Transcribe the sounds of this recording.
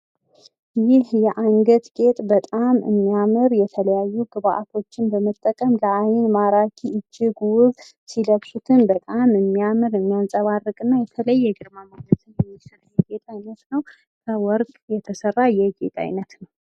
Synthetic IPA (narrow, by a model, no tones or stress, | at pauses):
jɪhjɛʔaŋɡət̪ɡʼe̞t̪ʼbət̪ʼamɨ̰mːijamɨɾjɛt̪ʰələjajːuɡɨβaʔat̪ʰo̞t͡ʃːɪnbəmət̪ʼːəkʼəmləʔajɪnmaɾakʰiɨd͡ʒːɪɡuβ | siləβsut̪ʰɨnbət̪ʼamɨmːijamɨɾɨmːijansʼəβarːɨkʼɨnːajɛt̪ʰələjːɛɡɨɾmamanət̪ʰɨnjɛmːisɨɾajːɛɡet̪ʼajnət̪nəw | kʰəwɔɾkʼjɛt̪ʰəsərːajɛɡe̞̰t̪ʼa̰jnət̪nəw